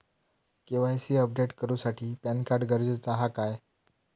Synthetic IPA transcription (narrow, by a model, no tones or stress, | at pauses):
keʋ̤ajsiːəp̚ɖeʈkəɾuːsaʈʰiːpænkaɾɖɡəɾd͡zət͡saɦakaj